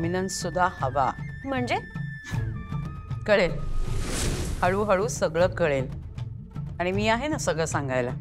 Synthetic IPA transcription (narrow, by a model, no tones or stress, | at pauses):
minənsud̪ʱːahəʋa̰m̤əɳd͡ʑe | kəɭel | həɭuːɦəɭuːsəɡɭəːkəɭel | aɽ̃imiːaɦenasəɡɭəsãŋɡajla